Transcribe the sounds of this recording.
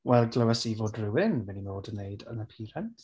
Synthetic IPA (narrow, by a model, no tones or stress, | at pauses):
wɛlˠɡləwɛsivoːdrɪwɪnvɛninoːdənːejdə̰nəpʰiːɾɛnt